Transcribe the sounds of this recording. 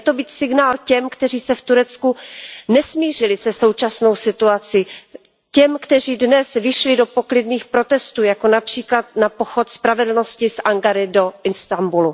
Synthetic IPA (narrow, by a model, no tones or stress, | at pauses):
t̪o̞biːt̪sɪɡnaːlcɛmkt̪ɛr̝iːsɛft̪uɾɛt͡skunɛsmiːr̝ɪlɪsɛso̞wt͡ʃasno̞wsɪt̪uat͡sɪ | cɛmkt̪ɛr̝iːdnɛsvɪʃlɪdo̞po̞klɪdniːxpɾo̞t̪ɛst̪uːjako̞napr̝̥iːklat̪napo̞xot̪spɾavɛdl̩no̞scɪsʔaŋɡaɾɪdo̞ɪnst̪ambulu